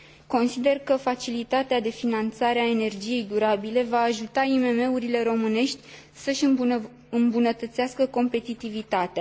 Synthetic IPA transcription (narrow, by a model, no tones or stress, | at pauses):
ko̞nsid̪e̞rkəfat͡ʃilit̪at̪ead̪e̞finant̪saɾeae̞ne̞rd͡ʒije̞jd̪uɾabile̞vaːʒut̪aime̞me̞uɾile̞ɾo̞mɨne̞ʃt̪ʲ | səʃ | ɨmbunət̪ət̪seaskəko̞mpe̞t̪it̪ivit̪at̪ea